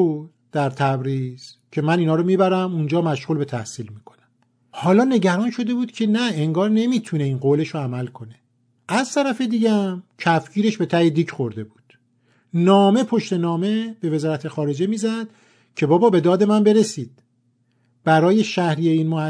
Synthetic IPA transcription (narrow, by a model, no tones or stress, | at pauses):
u | d̪̥æɾt̪ʰæbɾiz̥cʰe̞mæniːnɒːɾomiːbæɾæmund͡ʒɒːmæʃʁuːlbe̞t̪ʰæhsiːlmiːkʰo̞̥næm | hɒːlɒːne̞ɟæɾɒːnʃo̞d̪e̞buːd̪̥cʰe̞næeŋɡɒːɾne̞mit̪ʰune̞iːnɢoːle̞ʃoæmælkʰo̞ne̞ | ʔæzt̪ʰæɾæfe̞d̪iːɟæmcʰæfɡiːɾe̞ʃbe̞t̪ʰæhed̪iːcʰxo̞ɾd̪e̞buːd̪̥ | nɒːme̞pʰo̞ʃt̪e̞nɒːme̞b̥e̞ve̞zɒːɾæt̪ʰe̞xɒːɾe̞d͡ʒe̞miːzæd̪̥ | cʰe̞bɒːbɒːbe̞d̪ɒːd̪e̞mænbe̞ɾe̞siːd̪̥̚ | b̥æɾɒːje̞ʃæhɾije̞iːnmoæ